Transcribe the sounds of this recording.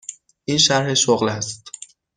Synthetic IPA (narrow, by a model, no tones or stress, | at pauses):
ʔiːnʃæɾheʃoɣlæst̪̚